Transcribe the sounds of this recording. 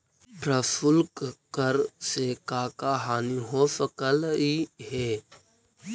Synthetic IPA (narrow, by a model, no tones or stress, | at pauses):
pɾəfʊlkkəɾsekaːkaːɦaːniɦoːfəkəliɦeː